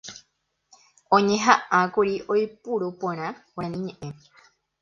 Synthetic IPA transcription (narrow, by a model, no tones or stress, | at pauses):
õɲẽ̞ɦaʔãkuɾiʔojpuɾupoɾ̃ãwõãnĩɲẽʔẽ